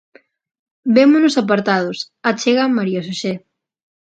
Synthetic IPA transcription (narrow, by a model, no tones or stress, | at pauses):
bemʊnʊsap̬aɾt̪að̞ʊs | at͡ʃeɣamaɾios̬oʃe